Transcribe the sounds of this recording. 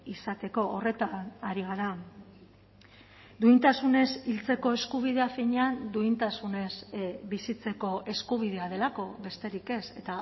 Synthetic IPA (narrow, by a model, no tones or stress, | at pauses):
isat̪e̞ko̞ːre̞t̪anaɾiɣ̞aɾa | d̪uint̪asune̞silt͡se̞ko̞e̞skuβ̞iðeafiɲeand̪uint̪asune̞zbisit͡se̞ko̞ʔe̞skuβ̞ið̞e̞að̞e̞lako̞βe̞st̪e̞ɾike̞se̞t̪a